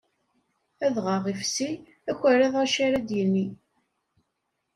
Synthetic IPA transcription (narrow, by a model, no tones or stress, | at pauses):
æðʁɑʁifsi | æçʷæɾæðˤaʃaɾæd̪jənːi